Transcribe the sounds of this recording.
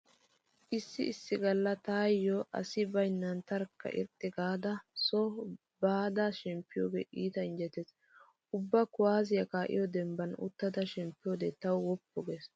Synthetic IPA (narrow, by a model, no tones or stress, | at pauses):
ʔɪsːɪɪsːɪɡɐlːɐt̪aːjːɔʔɐ̰sɪbɐjnːɐnt̪ɐɾkːɐ̰ʔɪ̰ɾt̪ʼːɪɡaːd̪ɐsɔ | baːd̪aʃɛmpːɪjoːɡḛːʔiːt̪ɐɪnd͡ʒɛt̪ːɛs | ʊbːɐkʊwaːzɪjɐkaːʔɪ̰jɔd̪ɛmbɐnʊ̰t̪ːɐd̪ɐʃɛmpːɪjoːd̪et̪ɐwwɔpːɔɡeːs